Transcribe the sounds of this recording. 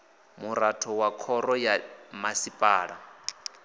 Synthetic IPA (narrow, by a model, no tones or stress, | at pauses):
muɾatʰɔwakʰɔɾɔjamasipʼaːɺa